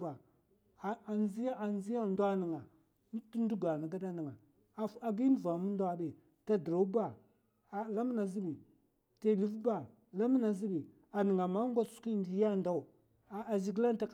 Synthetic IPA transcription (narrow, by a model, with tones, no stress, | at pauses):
ba˨ | a˨zi˦ja˦a˨n˦zi˦ja˦˨n˦da˦ni˨ŋa˨ | n˦tu˦n˦du˦ɡa˨na˨ɡa˦da˦ni˨ŋa˨˦ | a˨ɡi˦n˦˨va˨mu˦n˦da˦bi˨ | ta˨dɾa˨˦ba˦˨ | la˦m˦na˨zi˦bi˨ | ta˦˨li˦vba˦ | la˦m˦na˨zi˦bi˨ | a˨ni˨ŋa˨ma˦ŋ˦ɡʷa˦su̥˦ki˦ndi˨ja˦˨nda˦u˨ | a˨zi˨ɡla˦n˦ta˨k